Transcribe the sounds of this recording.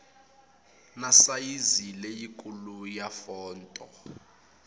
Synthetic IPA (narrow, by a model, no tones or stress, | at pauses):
nasajizilejikʼulujafɔːntʼɔ